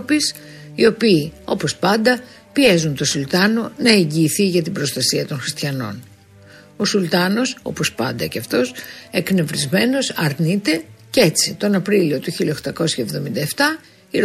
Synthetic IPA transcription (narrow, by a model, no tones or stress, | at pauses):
pis | io̞piːo̞po̞spɐnd̪ɐ | pie̞zunt̪o̞sult̪ɐno̞nɐe̞ɲɟiːθiʝɐt̪ibɾo̞st̪ɐsiɐt̪o̞nxɾist̪çɐno̞̰n | o̞sult̪ɐno̞so̞̰po̞spɐ̰nd̪ɐceɐft̪o̞sekne̞vɾizme̞no̞sɐɾnit̪e̞ce̞t͡sit̪o̞nɐpɾilio̞t̪uçilɐxt̪ɐko̞sçɐevðo̞mind̪ɐeft̪ɐ | iɾ